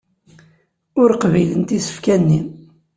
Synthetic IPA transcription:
ʊɾqvijlənt̪isə̥fkænːin

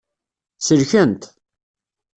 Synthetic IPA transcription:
səɾçənt̪

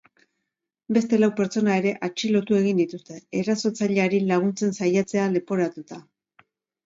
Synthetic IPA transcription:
be̞st̪e̞lawpe̞ɾt͡so̞nae̞ɾe̞ʔat͡ʃilo̞t̪ue̞ɣind̪it̪ust̪e̞ːɾaso̞t͡saʎeaɾilaɣ̞unt͡se̞nsajat͡se̞ale̞po̞ɾat̪ut̪a

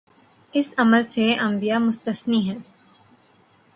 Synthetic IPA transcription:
ɪsɐməlseʔɐ̃mbijamʊst̪əsniɦɛ̃ː

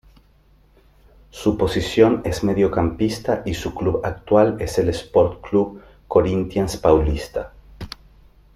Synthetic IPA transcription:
supo̞sisjo̞ne̞zmeðjo̞kampist̪aʔisukluβak̚t̪wale̞se̞lespoɾt̪kluβ | ko̞ɾint̪janspawlist̪a

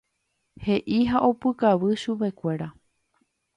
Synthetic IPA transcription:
he̞ʔiɦaʔo̞pɨkaʋɨʃupe̞kʷe̞ɾa

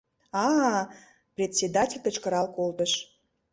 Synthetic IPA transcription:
ɑ | prʲet̪ʲsʲed̪atʲelʲt̪ə̆t͡ɕkəɾɑlkolt̪əʃ

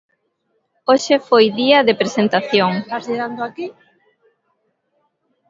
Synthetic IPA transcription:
oʃɪfojðiɐðepɾesent̪aθjoŋazʎeðand̪oaki

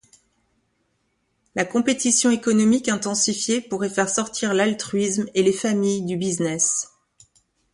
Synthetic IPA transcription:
lakɔ̃pet̪isjɔ̃ekɔnɔmikɛ̃t̪ɑ̃sifjepuʁɛfɛʁsɔʁt̪ʰiʁlalt̪χɥismelefamijd̪ybiznɛs

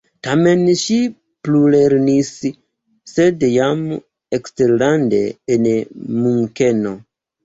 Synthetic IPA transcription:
tame̞nʃi | pluleɾnis | se̞djam | eksteɾlande̞̰ːnmuŋke̞no̞

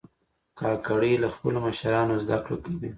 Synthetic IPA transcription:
kɑkaɽilaxpə̰loməʃaɾɑnozd̪akɽokawi

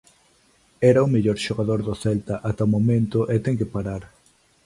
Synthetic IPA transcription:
ɛɾaʊmeʎoɾʃoɣaðoɾðʊθɛlt̪aʔat̪aomomẽnt̪ʊʔet̪ɛŋkepaɾaɾ

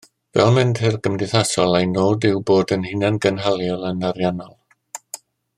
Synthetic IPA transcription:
vɛ̰lˠmɪnd̥hɪrɡəmdɪθasɔlˠajnoːdɪwboːdənhɪnanɡənɦalˠjɔlˠənaɾjanɔlˠ

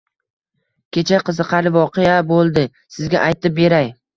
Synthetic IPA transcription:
kʲʰe̞t͡ʃʰaqɨzɨqʰɑɾɪvɒqejabolˠd̪ɪ | sɪzɡʲa̰ʔajt̪ɪp̚be̞ɾaj

